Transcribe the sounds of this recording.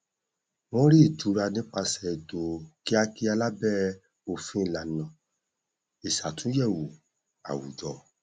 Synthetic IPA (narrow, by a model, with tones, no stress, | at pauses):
w̃ɔ̃˦ɾi˦˨tu˨˦ɾa˧nĩ˦k͡pa˧sɛ˧˨do˨ki˦a˧ki˧˦a˧la˦bɛ˦ | o˨fĩ˧˦˨la˨nã˨ | i˨sa˨tũ˨˦jɛ˦˨wu˨ | a̰˨wṵ˨d͡ʒɔ˨